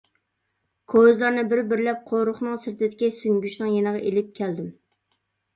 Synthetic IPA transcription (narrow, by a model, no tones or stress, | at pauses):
kʰozlˠɑɾnɨbɪɾbɪɾlɛp̚qʰoɾʊχnɨŋsɪɾt̪ʰɪd̪ɪkʲisyŋɡʲyʃnɨŋjenəʁɑʔelɪp̚kʲʰæld̪ɪm